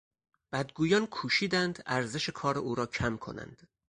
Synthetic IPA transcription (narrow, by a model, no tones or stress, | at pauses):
b̥æd̪̚ɡuːjɒːnkʰuːʃiːd̪ænd̪æɾze̞ʃekʰɒːɾeʔuːɾɒːcʰæmkʰo̞̰næ̰nd̪̥